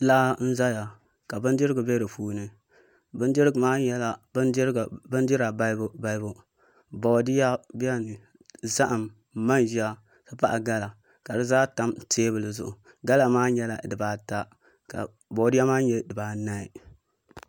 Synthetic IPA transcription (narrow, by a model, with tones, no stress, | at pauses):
laː˦n̩˦za˦ja˨ | ka˨bɨ˦ndɪ˦ɾɨ˦ɡɨ˨be˦ɾɨ˨fuː˦nɨ˨ | bɨ˦ndɪ˦ɾɡmaː˦jɛ˦la˨˦ɾbɨ˦n˦dɪ˦ɾa˨ba˦ba˦ɪ˦bʊ˦ | bo˨dɪ˦ja˦bi˦a˦nɨ˨ | za˦ʔa˨m | ma˦nʒi˦a˦ | sɨ˦pa˦ʔa˨ɡa˦la˨ | ka˨dɨ˦zaː˦ta˦mteː˦bɨ˨lɨ˨zʊ˦ʔʊ˨ | ɡa˦la˨maː˦ɲɛ˦la˨dɨ˨baː˨˦ta˦ | ka̰˨ | bo˨˦dɪ˦ja˦maː˦ɲɛ˦dɨ˨baː˨na˦i˨